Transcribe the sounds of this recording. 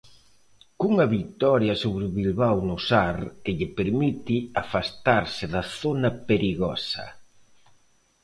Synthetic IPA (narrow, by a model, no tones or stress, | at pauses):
kuŋɐβit̪ɔɾjɐsoβɾɪʊβilβawnʊsaɾkɪʎɪpeɾmit̪ɪafast̪aɾsɪðɐθonɐpeɾiɣɔsɐ̰